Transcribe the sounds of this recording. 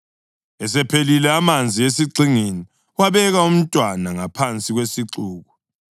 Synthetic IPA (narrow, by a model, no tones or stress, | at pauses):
ɛs̬ɛpʰelilɛamand͡zʱiesiǀiŋini | waβɛɣaum̩tʼwanaŋapʰant͡sʼiɣwesiǁuːɣu